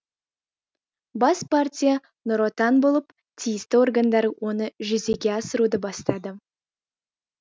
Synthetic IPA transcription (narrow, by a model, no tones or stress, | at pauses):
bɑspartʲija | nʊɾot̪ɑnbo̞lˠəp | t̪ʰijɪst̪ɪo̞rɡand̪ɑɾəwʔo̞nəʒʏzeɡʲe̞ɑsəɾud̪əbɑst̪ɑd̪ə